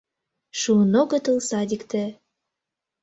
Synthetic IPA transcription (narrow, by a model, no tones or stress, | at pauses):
ʃunoɣɤ̆t̪ə̆lsɑd̪ʲikt̪ĕ